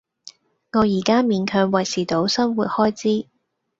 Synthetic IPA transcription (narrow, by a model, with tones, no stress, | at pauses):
ŋɔː˨˧jiː˨˩kaː˥miː˨˧nkʰœː˨˧ŋwɐ˨˩jsiː˨˩t̪o˨˥wsɐ˥nmwuː˨t̚hɔː˥jt͡siː˥